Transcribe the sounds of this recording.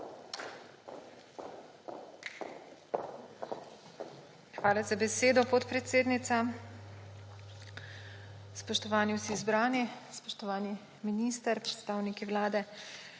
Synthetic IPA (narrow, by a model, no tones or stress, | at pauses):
xʋaːlazabɛseːd̪ɔpɔt̪pɾɛt̪seːd̪nit̪sa | spɔʃt̪ɔʋaːniwsiːzbɾaːnispɔʃt̪ɔʋaːni | miniːst̪əɾpɾɛt̪st̪aːwnikiwlaːd̪ɛ